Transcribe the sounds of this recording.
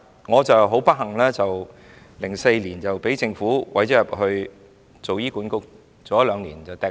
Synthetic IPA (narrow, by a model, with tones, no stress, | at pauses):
ŋɔː˨˧t͡sɐ˨wɦo˨˥wpɐ˥ɦɐ˨˩ŋlɛː˥t͡sɐ˨w | lɪ˨˩ŋse˧jliː˨˩nt͡sɐ˨wpe˨˥jt͡sɪ˧ŋfuː˨˥wɐ˨˥jt͡sɛ˨˥jɐ˨˩p̚hɵ˧ɥ | t͡so˨wjiː˥kuː˨˥nkʊ˥k̚ | t͡so˨jɐ˥lœː˨˧ŋliː˨˩nt͡sɐ˨wt̪ɛː˨